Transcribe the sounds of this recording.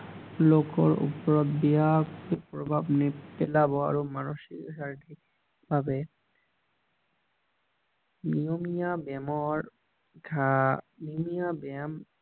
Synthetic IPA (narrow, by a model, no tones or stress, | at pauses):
lokoɾṵpɔɾɔt̪beakoepɾobʱabnepelaboa̰ɾomanuʃikʃaɾʈʰi | b̥ʱabe | miomiabɛmɔɾ | kʰa | niomijabɛm